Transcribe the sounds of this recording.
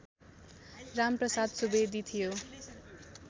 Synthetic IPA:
ramprʌsad̪subed̪it̪ʰijo

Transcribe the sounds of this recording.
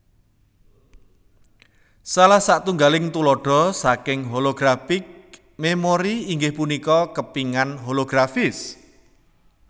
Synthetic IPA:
salahsaʔt̪uŋɡalɪŋt̪ulɔɖ̥ɔ̤sakɪŋɦoloɡ̥ɾafɪk̚ | memoɾiːŋɡɪhpunikɔkəpiŋanɦoloɡ̥ɾafɪs

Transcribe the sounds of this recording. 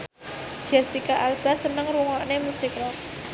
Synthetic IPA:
d͡ʒ̥ɛsikaʔalb̥a̤sənəŋruŋɔʔnemusikɾa

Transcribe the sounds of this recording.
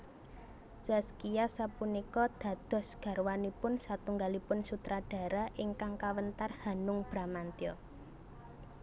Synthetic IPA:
d͡ʒ̥askijasapunikɔd̪̥ä̤d̪̥ɔ̤sɡ̥ä̤rwanipʊnsat̪uŋɡalipʊnsut̪ɾaɖ̥ä̤ɾaʔɪŋkaŋkawənt̪arhanʊŋb̥ɾa̤mant̪iɔ

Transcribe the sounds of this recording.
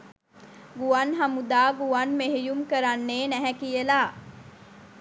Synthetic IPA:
ɡuanɦamud̪aːɡuʋanmeɦejumkəɾanːeːnæɦɛkijəla

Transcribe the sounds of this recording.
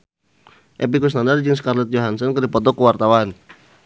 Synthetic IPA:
ʔɛp̬ikus̬nandard͡ʒəŋsə̥karlɛt̪̚joɦansɔnkədipɔt̪̬ɔkəwart̪awan

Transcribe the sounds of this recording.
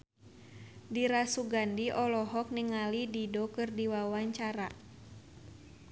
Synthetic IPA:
diɾasuɡandiʔɔlɔɦɔk̚niŋalididɔkɨrdiwawaɲt͡ʃaɾa

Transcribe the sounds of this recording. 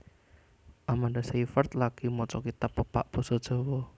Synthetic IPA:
ʔamandasifərt̪laɡ̥imɔt͡ʃɔkit̪əpːəpa̰ʔb̥osɔd̥ʒ̥ɔ̤wɔ

